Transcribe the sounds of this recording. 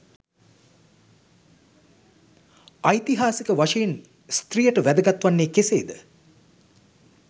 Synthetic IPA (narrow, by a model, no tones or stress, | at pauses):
ajt̪iɦaːsikəʋaʂɐjen | st̪rijəʈəʋæd̪əɡɐt̪ʋanːeːkesḛːd̪ə